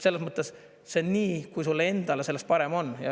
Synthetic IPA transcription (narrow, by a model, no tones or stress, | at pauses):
se̞lːesmɤt̪ˑːe̞s | se̞niːkujsulːee̞nd̪̥ɑlese̞lːest̪̚pɑɾe̞mo̞njɑ̰